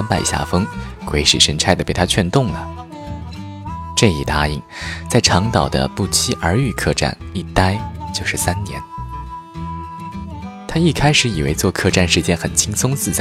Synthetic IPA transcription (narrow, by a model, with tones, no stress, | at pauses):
a˥npa˥˩ɪɕja̰˥˩fɤ˥ŋkwe˧˥ɪʂḭ˨˩ʂə˧˥nʈ͡ʂʰa˥ɪd̪ə˩pe˨˩ɪt̪ʰa˥t͡ɕʰɥɛ˥˧nt̪ʊ˥˩ŋnə˩ | ʈ͡ʂɤ˥˧i˨˩t̪a˥ḭ˥˩ŋt͡sa˥˩ɪʈ͡ʂʰɑ˧˥ŋt̪ɑ˨˩ʊd̪ə̰˦pu˥˩t͡ɕʰi˥ʔə˞˧˥y˥˧kʰɤ˥˧ʈ͡ʂa̰˥˩ni˥˩t̪a˥ɪt͡ɕjo˥˧ʊʂɻ̩˥˩sa˥nnjɛ̰˧˥n | t̪ʰa˥i˥˩kʰa˥ɪʂɻ̩˧˥i˨˩wḛ˧˥ɪt͡swɔ˥˧kʰɤ˥˧ʈ͡ʂa˥˧nʂɻ̩˥˩t͡ɕjɛ˥nxə˨˩nt͡ɕʰi˥ŋsʊ˥ŋt͡sɹ̩˥˩t͡sa˥˩